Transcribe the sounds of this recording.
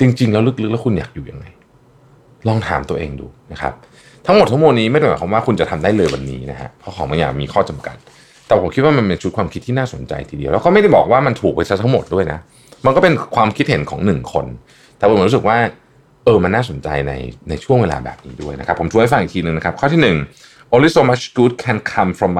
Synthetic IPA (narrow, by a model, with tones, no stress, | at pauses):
t͡ɕi˧ŋt͡ɕi˧ŋlɛː˦˥wlɯ˦˥k̚lɯ˦˥k̚lːkʰu˧nja̰ː˨˩k̚juː˨˩ja̰˧ŋːa˧j | lɔː˥˩ŋt̪ʰa̰ː˩˦mt̪u˧ɐʔeː˧ŋdṵː˨˩na˦˥kʰa̰˦˥p̚ | t̪ʰa˦˥ŋmo˨˩t̪̚ʰːa˥mo˧nːiː˦˥ma˥˩ɾa˥˩mɔ̰ː˨˦˩kʰɔ˧˦waː˥˩kʰu˧nt͡ɕa˨˩t̪ʰa˧mdaː˥˩jlɤː˧jwa˧nːiː˦˥na˦˥kʰa̰˦˥kʰa˦˥wkʰɔː˨˦ma˧jaː˨˩k̚miː˧kʰɔː˥˩t͡ɕa˧mka̰˨˩t̪̚ | t̪ɛː˨˩pʰo˩˦mʰi˦˥t̪̚waː˥˩ma˧npe˧nt͡ɕʰu˥t̪̚kʰwaː˧mʰi˦˥t̪ʰːiː˥˩naː˥˩so˩˦nt͡ɕa̰˧jt̪ʰiː˧dḭ˧lɛ˦˥wkɔː˥˩m˥˩jda˥˩jbɔ̰ː˨˩k̚waː˥˩ma˧nt̪ʰuː˨˩k̚ba˧sa˦˥t̪ʰa˦˥ŋmo˨˩t̪̚du˥˩əjna˦˥ | ma˧nkɔ˥˩pe˧nkʰwaː˧mkʰi˦˥t̪̚he˩˦nkʰɔ̰ː˩˦ŋnɯ˨˩ŋkʰo̰˧n | t̪ɛ˨˩˨nɾuː˦˥sɯ˨˩k̚waː˥˩ | ʔɤː˧ma˧nːaː˥˩so˩˦nt͡ɕa̰˧jna̰˧jna˧jt͡ɕʰu˥˩əŋweː˧la̰ː˧bɛ̰ː˨˩p̚niː˦˥du˥˩əjna˦˥kʰa˦˥pʰːo˩˦t̪ʰu˧˩ha˥˩fa˧˩ŋi˨˩t̪ʰiː˧nɯ˨ŋna˦˥kʰp̚kʰɔː˥˩t̪ʰi˥˩nɯ˨˩ŋ | ʔoː˧li˦˥soː˧ma˦˥kuː˦˥t̪̚kʰɛ˧nkʰa˧mfɾɔ˧m˦